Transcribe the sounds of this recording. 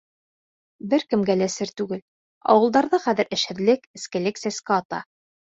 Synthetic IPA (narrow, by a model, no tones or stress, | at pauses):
bɘɾkɘ̆mɡælæsɘɾt̪ʉɡɘl | ɑ̰wɤ̆lˠd̪ɑɾðɤχæðɘ̆ɾʔɘ̆ʃhɘ̆ðlɘkɘ̆skɘ̆lɘksæskɘɑt̪ɑ̰